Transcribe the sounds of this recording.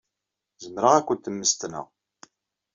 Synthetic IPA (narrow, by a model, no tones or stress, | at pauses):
zəmɾəʁækʷːənt̪əmːəst̪nə̰ʁ